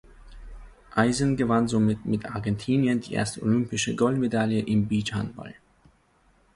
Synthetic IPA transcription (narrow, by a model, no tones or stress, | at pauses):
ʔaɪzən̩ɡəvanzomɪtmɪtʰʔaɐɡɛntʰiːnjəndḭːʔḛːɐstəolʏmpɪʃəɡɔltmedaljəʔɪmbiːtha̰nb̥a̰l